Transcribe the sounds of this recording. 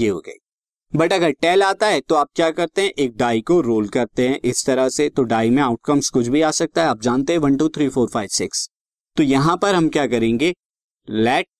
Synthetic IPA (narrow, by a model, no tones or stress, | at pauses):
jeːɦo̰ɡɐ̰iː | bɐʈɐɡəɾʈɛːlaːt̪aɦɛt̪oaːp̚kjaːkɐɾt̪eɦɛ̃ʔeːk̚ɖaːikoɾoːlkɐɾt̪eɦɛ̃ʔɪst̪ɐɾaset̪oɖaːimẽaːʊʈkɐmskʊt͡ʃʰbʱiaːsɐk̚t̪aɦɛaːp̚d͡ʒaːnt̪eɦɛ̃ʋɐ̃nʈuːt̪ʰɾiːfoːɾfaːɪʋsɪks | t̪ojɐɦãpɐɾɦɐmkjaːkɐɾẽːŋɡeː | lɛːʈ̚